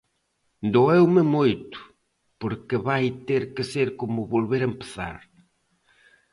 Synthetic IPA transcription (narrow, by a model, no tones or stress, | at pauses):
d̪oewmɪmojt̪ʊ̥ | poɾkeβajt̪eɾkɪseɾkomʊβolβeɾempe̥θa̰ɾ